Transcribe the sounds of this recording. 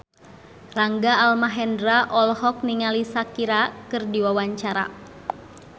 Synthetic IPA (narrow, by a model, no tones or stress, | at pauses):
raŋɡaːlmaɦɛndɾaʔɔlhɔk̚niŋalisakiɾakɨrdiwawaɲt͡ʃaɾa̰